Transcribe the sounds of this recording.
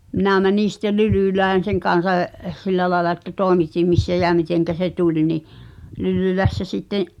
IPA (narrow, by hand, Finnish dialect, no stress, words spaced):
minæˑ mæniˑn̞ sĭtːel lylyˑlæːn̞ seŋ kɑn̞sɑ j silːæ lɑːĕlɑ etːæ tˑoˑemitim misːæ jæ miteŋkæ se tulʲ niʔ lylylæsːæ sitːẽːʔ